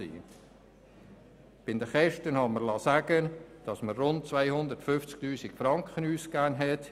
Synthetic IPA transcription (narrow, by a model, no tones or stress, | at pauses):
ḭː | b̥ɪnd̪əχɛʃtənhɑməɾlɑːsæɡ̥ənd̥ɑsmərʊnt̚t͡svaɪhʊndətfʏft͡sk̚tyːsikfɾɑŋkχənyːskæːnɦɛt